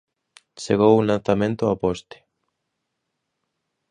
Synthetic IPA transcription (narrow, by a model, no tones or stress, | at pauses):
t͡ʃeɣowulãnθamẽnt̪ʊapɔst̪ɪ̥